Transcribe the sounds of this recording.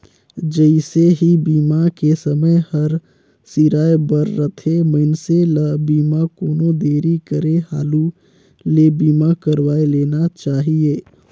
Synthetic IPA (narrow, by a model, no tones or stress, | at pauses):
d͡ʒəɪseɦibiːmakesəməjhəɾ | siɾaːjbəɾːət̪ʰeməɪnseləbiːmakoːnod̪eːɾikəɾeha̰ːlu | lebiːmakəɾʋaːeleːnat͡ʃaːɦieː